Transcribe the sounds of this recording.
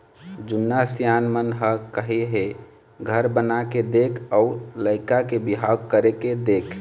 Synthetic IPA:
d͡ʒunːasjanmənɦəkəɦeɦe | ɡʱəɾbənaked̪ekʰəuləɪkakebiɦaɡ̚kəɾeked̪ekʰ

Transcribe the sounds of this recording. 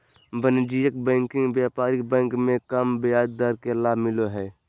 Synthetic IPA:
bənd͡ʒijək̚bɛ̃ːŋkɪ̃ŋɡbjaːpaːɾik̚bɛ̃ːŋkmẽkəmbjaːd̪̚ːaɾkelaːmɪloɦɛː

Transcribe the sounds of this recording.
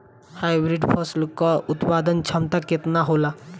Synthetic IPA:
hajbɾiɖpʰɔslkɔut̪pad̪ənt͡ʃʰɐmt̪aket̪naɦola

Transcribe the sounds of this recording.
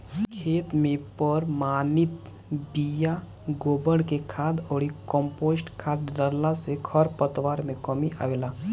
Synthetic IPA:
kʰeːt̪mẽpəɾmaːnɪt̪ | bija | ɡoːbəɽkekʰaːd̪ɔːɾikɔ̃mpoːsʈkʰaːd̪ɖəɾlasekʰəɾpət̪ʋaːɾmẽkəmiʔa̰ːʋelaː

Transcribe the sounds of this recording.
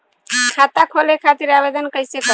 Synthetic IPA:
kʰat̪akʰolekʰat̪iɾabed̪ənkəjsekə

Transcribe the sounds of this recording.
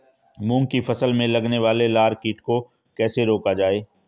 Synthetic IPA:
mũːŋɡkifɐsəlmẽlɐɡneʋaːlelaːɾkiːʈko | kɛːseɾoːkad͡ʒaːeː

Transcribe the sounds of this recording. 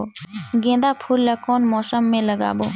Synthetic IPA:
ɡẽːnd̪apʰuːlːakoːnmɔːsəmːẽləɡa̰ːboː

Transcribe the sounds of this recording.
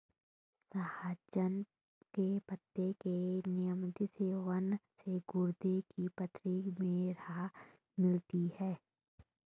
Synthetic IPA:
sahaːd͡ʒən | kepət̪ːekenɪjəmd̪ɪseʋənseɡʊɾd̪ekipət̪ɾimeːɾa | mɪlt̪ihɛː

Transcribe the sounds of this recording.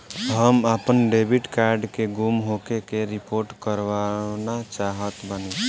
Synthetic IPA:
ɦəmapənɖebiʈkaɾɖkeɡumɦokekeɾipoːɾʈkəɾwanat͡ʃaːɦət̪bəni

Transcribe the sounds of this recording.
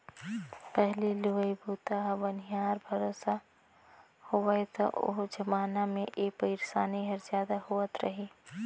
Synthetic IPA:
pɛɦlilʊʋəjbʱuːt̪aɦbɐnijaːɾbʱɐɾoːsa | hoəjt̪ɔ̰ʔʊ̰ɦd͡ʒɐmaːnamẽʔeːpəɪɾsaːniɦɐɾzjaːd̪ahoːət̪ɾɐɦeː

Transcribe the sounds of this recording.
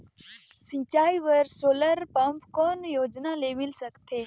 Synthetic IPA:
sɪ̃t͡ʃaːiʋəɾsoːləɾpɐmpkɔːnjoːd͡ʒnaleːmɪlsəkt̪ʰeː

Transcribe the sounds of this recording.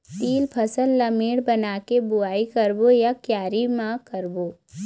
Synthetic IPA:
t̪iːlpʰəsəlːɐmeːɽbɐnaːkebʊaːikəɾbojakjaːɾimãkəɾboː

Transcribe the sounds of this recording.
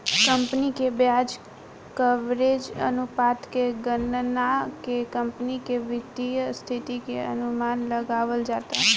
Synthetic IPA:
kəmpnikebjad͡ʒ | kəʋɾed͡ʒə̰nupat̪keɡənnakekəmpnikeʋɪt̪ːijəst̪ʰit̪ikeə̰numanləɡaʋəld͡ʒat̪a

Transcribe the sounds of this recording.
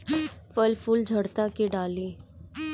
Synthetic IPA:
fəlfʊld͡ʒʱəɽt̪akiɖaːliː

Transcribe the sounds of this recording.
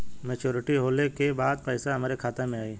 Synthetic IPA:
meːt͡ʃoːɾɪʈiɦoːlekebaːd̪̚pɛɪsaɦɐmaːɾekʰaːt̪emẽaːeː

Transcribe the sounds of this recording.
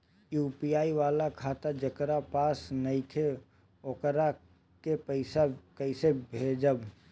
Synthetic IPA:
juːpijaːiʋaːlakʰaːt̪ad͡ʒəkɾapaːsnɐit̪ʰe | oːkɾa | kepəɪsakəɪsebʱeːd͡ʒəb

